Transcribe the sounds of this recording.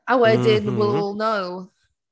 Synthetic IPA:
awɛdɪdnwɪlˠɔlˠnoʊ

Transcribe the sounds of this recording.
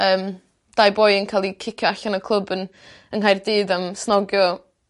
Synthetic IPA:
əːm | d̥ajboːɨənkʰalˠikʰɪkʰjɔaɬɔnəkʰlˠəbən | ənɦajrdɨːdamsnɔɡjɔ

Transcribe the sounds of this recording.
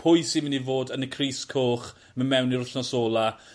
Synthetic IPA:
pʰʊjsimənivoːdənəkʰriːskʰoːχ | məmɛwniɾʊɬnɔsoːlˠa

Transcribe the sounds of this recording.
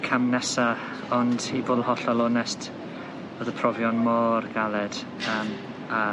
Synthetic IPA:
kʰamnɛsa | ɔndivoːlˠhɔɬɔlˠɔnɛst | b̥oðəpʰrɔvjɔnmɔːrɡalˠɛd̥ | əːm | a

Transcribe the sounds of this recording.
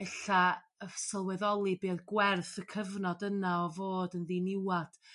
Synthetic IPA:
ɛɬa | əsəlˠwɛðɔlˠibeːðɡwɛrθəkʰəvnɔdənaɔvoːdənðinɪwad̥

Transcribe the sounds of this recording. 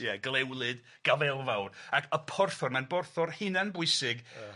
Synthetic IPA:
jɛɡlˠɛwlˠɨd | ɡ̥avɛlˠvawrakʰəpʰɔrθɔrmanbɔrθɔrhɪnanbʊɨsɪɡ

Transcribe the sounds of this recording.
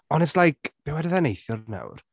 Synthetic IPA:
ɔnɛslˠajkʰb̥ɛwɛdəðɛnejθjʊɾna̰wr

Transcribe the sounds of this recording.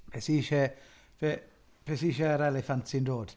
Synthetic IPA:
pʰɛsiːʃɛ | vɛ | pʰɛsiʃɛəɾɛlɛfantsɪndoːd̥

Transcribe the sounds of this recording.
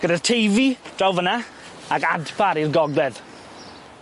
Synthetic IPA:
ɡ̥ədḁtʰejvid̥awvəna | akadpʰaɾirɡɔɡlɛð

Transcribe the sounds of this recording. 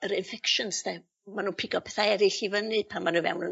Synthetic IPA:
əɾɪnfɛkʃənsdɛ | manuːpʰɪɡɔpʰɛθaɛɾɪɬivənɨpʰamanuvɛ̰wnə

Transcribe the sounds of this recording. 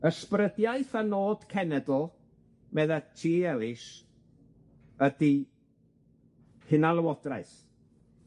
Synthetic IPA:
əsprədjaɨθanoːd̥kʰɛnɛdl̩ˠ | mɛðatʰiːɛlˠɪʃ | ədi | hɪnalˠəwɔdra̰ɨθ

